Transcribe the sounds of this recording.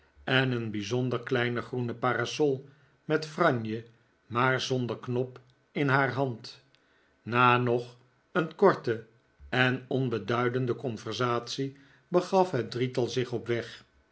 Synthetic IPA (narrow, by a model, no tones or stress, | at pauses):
ɛnənbizɔndəɹklɛjnəχrunəpaːrasɔlˠ | mɛtfrɑɲjə | maːɹzɔndəɹknɔp | ɪnɦaːrɦɑnt | naːnɔχ | ənkɔɹtə | ɛnɔnbədœɥdəndəkɔnvɛɹzaːtsi | bəχɑfɦɛt̚dritɑlˠzɪχɔpʋɛχ